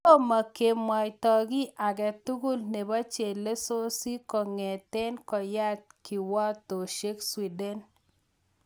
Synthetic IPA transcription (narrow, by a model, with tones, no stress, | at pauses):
to˦ma˨ke˨mwa˨jtɔ˨ɡi˦ʔa˨ɡɛ˨t̪u˦ɡu˦lne˨ba˦t͡ʃe˨lːe˦so˦si˦kɔ˨ŋɛ˨tɛ˦nkɔ˨ja˦t̪̚ki˨wɔ˦t̪o˨ʃe˦kswi˨dɛ˦n